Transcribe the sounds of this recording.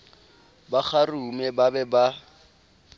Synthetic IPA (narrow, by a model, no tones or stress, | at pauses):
bak͡xarumɛbabɛba